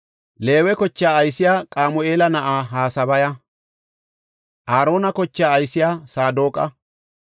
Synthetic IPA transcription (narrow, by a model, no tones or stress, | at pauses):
le̞ːwɛkɔt͡ʃːaːɐjsɪjaːkʼaːmʊʔe̞ːlɐnɐʔaːɦaːsɐbɐjɐ | ʔaːɾo̞ːnɐkɔt͡ʃːaːjsɪjaːsaːd̪oːkʼɐ